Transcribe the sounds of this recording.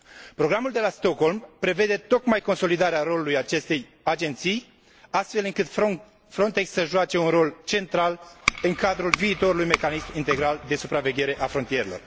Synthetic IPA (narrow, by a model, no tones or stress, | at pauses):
pɾo̞ɡɾamuld̪e̞last̪o̞kho̞lmpɾe̞ve̞d̪e̞t̪o̞kmajko̞nso̞lid̪aɾeaɾo̞lulujat͡ʃe̞st̪e̞j | ad͡ʒe̞nt̪sij | ast̪fe̞lɨŋkɨt̪ | fɾo̞nt̪e̞ksːəʒuat͡ʃe̞unro̞lt͡ʃe̞nt̪ɾalɨŋkad̪ɾulviːt̪o̞ɾulujme̞kanismint̪e̞ɡɾald̪e̞supɾave̞ɡʲe̞ɾe̞ʔafɾont̪ijeɾelo̞̰r